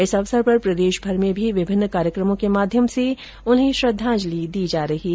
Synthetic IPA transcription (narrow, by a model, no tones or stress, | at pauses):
ɪsɐʋsəɾpɐɾpɾɐd̪eːʃbʱɐɾmẽbʱiʋɪbʱɪnːkaːɾjəkɾəmõkemaːd̪ʱjəmse | ʊnɦẽʃɾɐd̪ʱːãːd͡ʒlid̪iːd͡ʒaːɾɐɦi